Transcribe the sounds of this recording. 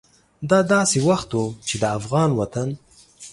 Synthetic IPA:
d̪ɑd̪ɑsewaxt̪wut͡ʃed̪əafɣɑnwat̪an

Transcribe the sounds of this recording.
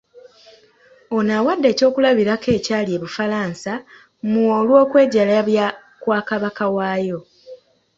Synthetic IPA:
onaːwadːe̞ːco̞ːkulaβiɾake̞ːcaːlie̞βufalaːnsa | muolwo̞ːkwe̞ːɟalaβja | kwaːkaβakawaːjo̞

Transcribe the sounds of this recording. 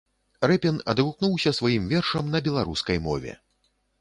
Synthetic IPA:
ɾɛpʲɛnɐ̰d̪ɣuknuwsʲɐsvajimvʲɛrʂɐmnɐbʲɛlˠaɾuskɐjmɔ̰vʲɛ̰

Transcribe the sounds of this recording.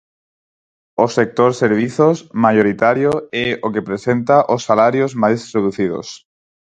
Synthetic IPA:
osek̚t̪oɾseɾβ̞iθosmajoɾit̪aɾjoɛokepɾesent̪aʔosːalaɾjozmajsreðuθið̞o̰s

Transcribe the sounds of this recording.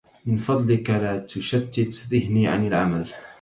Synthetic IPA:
mɪnfɑd̪ˤlɪkalaːt̪ʊʃat̪ːɪt̪ðɪhniːʕa̰nalʕa̰mal

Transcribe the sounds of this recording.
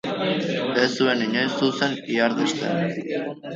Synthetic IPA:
esue̞niɲajsuse̞niaɾðist̪ḛn

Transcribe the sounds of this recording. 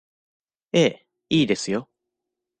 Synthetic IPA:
eː | iːd̪e̞sɨjo̞

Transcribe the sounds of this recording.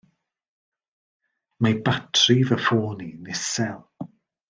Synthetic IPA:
mabatʰrivəfoːninɪsɛlˠ

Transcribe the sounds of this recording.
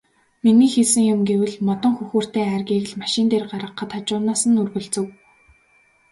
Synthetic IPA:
miniːxeɮsɘ̆ŋjʊmɡewɘ̆ɮmɔt̪ɞ̆ŋxuxuːr̥t̪eːæːrɣʲiːɣɘ̆ɮmaʃɪ̆nt̪eːrɢaɾə̆qːə̆t̪ʰat͡ɕʊːnaːsə̆nɵrɣɵ̆ɮt͡sɘ̆w

